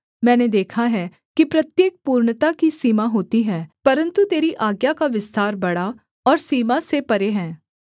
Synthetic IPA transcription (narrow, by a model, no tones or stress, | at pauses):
mɛ̃ːned̪eːkʰaɦɛː | kipɾət̪jeːk̚puːɾɳt̪akisiːmaɦoːt̪iɦɛːpəɾə̃nt̪ut̪eːɾiʔaːɡjakaʋɪst̪aːɾbɐɽaː | ɔːɾsiːmãsepəɾeːɦɛ̃ː